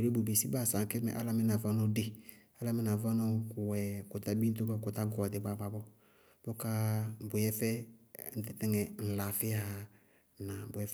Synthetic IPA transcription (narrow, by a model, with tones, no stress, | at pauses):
ɾe˦bu˨be˨si˦baː˦˨sa˨ŋ˦kɛ˦mɛ̰˨ʔa˦la˦mɪ˦na˨va˦nɔ˦de˨ | a˦la˦mɪ˦na˨va˦nɔ˦kʊ˨wɛ˨kʊ˨ta˦bi˦t̪̬ʊ˦ka˦kʊ˨t̪a˦ɡɔ˨a˨dɪ˨ba˨ba˨bɔ˦ | b̥ʊ˦kaː˦˨bʊ˨jɛ˦fɛ˦n̩˦t̪ɪ˦tɛ˦ŋɛ˨n̩˨la˨fɪ˦a˦a˨ | na˨bʊ˨ɛ˦f